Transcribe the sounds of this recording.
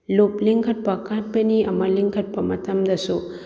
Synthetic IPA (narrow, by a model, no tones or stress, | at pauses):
lopliŋkʰɐt̚pɐkat̚bɐniɐmɐliŋkʰɐt̚pɐmɐtʰɐmdɐsu